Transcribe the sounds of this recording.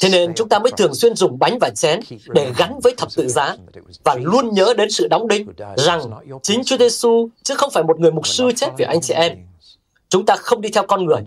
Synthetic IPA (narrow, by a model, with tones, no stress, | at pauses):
t̪ʰe˨˦ne˧nt͡ɕʊ˨˦ŋ͡mt̪aː˧məː˨˦jt̪ʰɨ˨˩əŋswi˧ənzʊ˨˩ŋ͡mɓa˨˦jŋ̟vaː˨˩t͡ɕɛ˨˦nɗe˧˩ɣa˨˦nvəː˨˦jt̪ʰə˨˩p̚t̪ɨ̰˧˨zaː˨˦vaː˨˩lu˧ənɲəː˨˦ɗe˨˦nsɨ̰˧˨ɗa˨˦wŋ͡mɗï˧ŋ̟za˨˩ŋt͡ɕï˨˦ŋ̟t͡ɕu˨˦əze˧su˧t͡ɕɨ˨˦˥xə˧wŋ͡mfaː˧˩jmo˨˩t̚ŋɨ˨˩əjmʊ˨˩t̚sɨ˧t͡ɕɛe˦˥t̚vi˨˩ʔa˧jŋt͡ɕɛ̰˧˨˩ʔɛ˧m | t͡ɕʊ˨˦ŋ͡mt̪aː˧xə˧wŋ͡mɗi˧t̪ʰɛ˧wkɔ˧nŋɨ˨˩əj